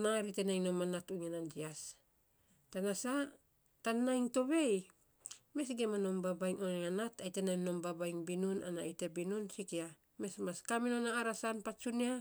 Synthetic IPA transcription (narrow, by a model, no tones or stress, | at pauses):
naɾitenajŋno̞manatuŋanandias | tanasa | tanːajŋto̞βe̞j | me̞sɡe̞mano̞mbabajŋoŋŋanatajtenajmno̞mbabajŋbinuna̰na̰ite̞binunsikia | me̞smaskaminonaːɾasanpat͡ʃunia